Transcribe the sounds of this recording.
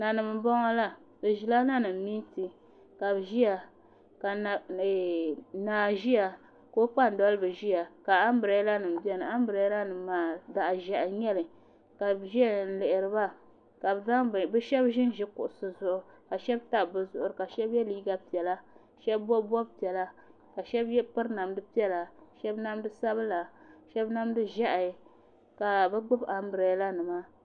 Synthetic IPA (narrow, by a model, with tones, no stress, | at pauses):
na˨nɨ˨m˨bɔ˦ŋa˦la˦ | bɨ˨ʒi˦la˦na˦nɨ˨m˨˦mi˦nti˨ | ka˨bʒi˦ja˨ | ka˨ | naː˨ʒi˦ja˨ | ko˦k͡pa˦n˨dɔ˦lɨ˦bɨ˨ʒi˦ja˨ka˨a˦m˦bɾa˨jla˦nɨ˨m̩˨bi˦ɛ˦nɨ˨a˦m˦bɾa˨˦la˦nɨ˨m˦maː˨da˨ʔʒa˨ʔɲɛ˦lɨ˨ | ka˨bʒi˦a˦n̩˨lɪ˨ʔɪ˨ɾɨ˨ba˦ | ka˨bza˦ŋ˨bɛ˦ʃɛ˦bʒɪ˦n˦ʒɪ˦kʊ̰˨ʔʊ˨sɨ˨zʊ˦˨ʔʊ˨ka˨ʃɛ˦bta˨bɨ˦zʊ˦˨ʔʊ˨ɾɨ˨ka˨ʃɛ˦bjɛ˦liː˦ɡa˦pi˨ɛ˨la˦ | ʃɛ˦bːɔ˦bɔ˦bpi˨ɛ˨la˦ | ka˨ʃɛ˦bjɛ˦pɨ˦ɾna˨mdɨ˦pi˦ɛ˦la˨ʃɛ˦bna˦mdɨ˦sa˦bɨ˦la˨ʃɛ˦bna˦mdɨ˦ʒɛ˦ʔa˨˦ | ka˨bɨ˦ɡ͡bʊ˦ba˨mbɾa˨˦la˦nɨ˨ma˦